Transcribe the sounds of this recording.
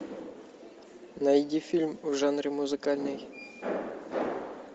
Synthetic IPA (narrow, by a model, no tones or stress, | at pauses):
nɐjdʲifʲilʲmvʐanɾʲɪmuzɨkalʲnɨj